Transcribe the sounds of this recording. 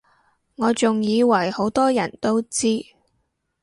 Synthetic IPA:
ŋɔː˨˧t͡sʊ˨ŋjiː˨˧wɐ˨˩jho˨˥wt̪ɔː˥jɐ˨˩nt̪o˥wt͡siː˥

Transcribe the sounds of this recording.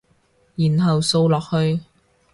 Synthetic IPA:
jiː˨˩nɦɐ˨wso˧wlɔː˨k̚hɵ˧ɥ

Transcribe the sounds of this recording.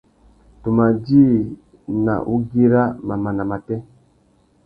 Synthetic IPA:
tu˨ma˨d͡ʒi˦ | na̰˨ʔu˦ɡi˦ɾa˦ma˨ma˨na˨ma˨tɛ˦

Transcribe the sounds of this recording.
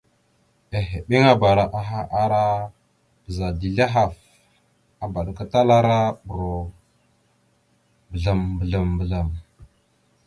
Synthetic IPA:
e˨ɦe˨ɓe˦ŋa˦ba˨ɾa˨ʔa˨ɦa˦ʔa˦ɾa˦ | b̥ə˨za˨di˨ɮa˦ɦa˨f | a˨ba˨ɗka˦ta˦la˦ɾa˦ɓu˨ɾo˨ | bə˨ɮa˨mbə˨ɮa˨mbə˨ɮa˨m

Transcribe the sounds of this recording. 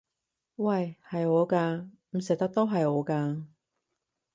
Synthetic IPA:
wɐ˥˨˩jhɐ˨jɔː˨˧kaː˧ | m̩˨˩sɪ˨k̚t̪ɐ˥k̚t̪o˥wɦɐ˨jɔː˨˧kaː˧

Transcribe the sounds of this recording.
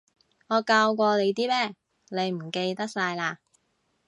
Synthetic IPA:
ŋɔː˨˧kaː˧wkʷɔː˧le˨˧jt̪̬iː˥mɛː˥ | ne˨˧jm̩˨˩ke˧jt̪ɐ˥k̚saː˧jlaː˧

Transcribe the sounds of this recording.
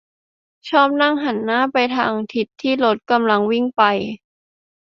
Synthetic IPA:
t͡ɕʰɔː˥˩p̚na˥˩ŋɦa˩˦nːaː˥˩˨pa˧jt̪ʰa̰ː˧ŋt̪ʰi˨˩t̪ʰːiː˥˩lo˦˥t̪̚ka˧mla˧ŋwi˥˩ŋpa˧j

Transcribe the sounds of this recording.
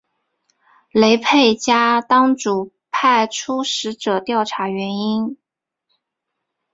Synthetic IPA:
le˧˥ɪpʰe˥˩ɪt͡ɕja˥t̪ɑ˥ŋʈ͡ʂu˨˩ | pʰa˥˩ɪʈ͡ʂʰu˥ʂɻ̩˧˥ʈ͡ʂɤ˨˩t̪jɑ˥˩ʊʈ͡ʂʰa˧˥ɥɛ˧˥ni˥n

